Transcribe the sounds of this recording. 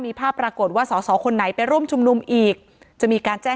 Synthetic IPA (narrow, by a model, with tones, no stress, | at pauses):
miː˧pʰaː˥˩pːɾaː˧ko˨˩t̪̚waː˥˩sɔː˩˦sɔː˩˦kʰo˧nːa˩˦jpa˧jɾu˥˩əmt͡ɕʰu˧mnu˧mʔiː˨˩k̚ | t͡ɕa˨˩ʔmiː˧kaː˧nt͡ɕɛː˥˩